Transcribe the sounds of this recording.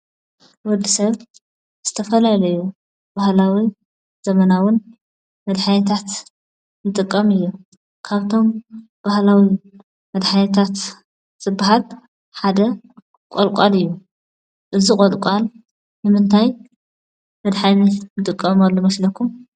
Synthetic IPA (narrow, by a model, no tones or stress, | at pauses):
wɔd̪ːisɐβ | z̥ɨt̪ʰɐfɐlalɐju | bahlawi | z̥ɐmɐnawʊn | mɐd̪ħanit̪ʰat̪ | nɨt̪ʼɨkʼːɐmɨjːu | kʰaβt̪ʰo̞m | b̥ahlawi | mɐd̪ħanɐt̪ʰat̪ | z̥ɨbːaɦal | ħad̪ɐ | kʼolkʷʼalɨjːu | ʔɨzikʼolkʼal | nɨmɨnt̪ʰaj | mɐd̪ħaninɨt̪ʼɨkʼːɐmalːomɐslɐkʰum